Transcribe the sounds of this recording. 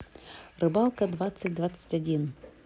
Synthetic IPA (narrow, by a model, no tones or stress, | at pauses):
rɨbalˠkəd̪vat̪sɨt̚ʲd̪vat̪sə̥tʲɐdʲin